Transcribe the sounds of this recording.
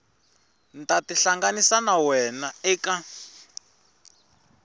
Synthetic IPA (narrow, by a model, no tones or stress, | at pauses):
ntatiɬaŋɡanisanawɛnaɛːka